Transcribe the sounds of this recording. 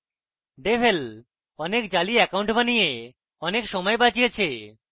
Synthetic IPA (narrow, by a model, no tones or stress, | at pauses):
ɖebʱel | ɔnekd͡ʑaliɛkaw̃ɳʈbanije | ɔnekʃɔmɔebad͡ʑijet͡ɕʰe